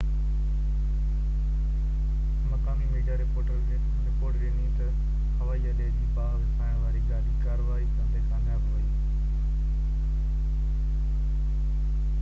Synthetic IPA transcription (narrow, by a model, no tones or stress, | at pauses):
mɐkaːmimeːɖijaɾepoːʈəlkʰeː | ɾɪpoːɾʈʋẽːnĩt̪ɐ | hɐʋaːiəɗeːd͡ʑiːbaːɦʋsʰaːɽ̃ʋaːɾiɡaːɾiːkaːɾəʋaːɦisɐ̃nd̪ʱekʰãːmɪjaːboiː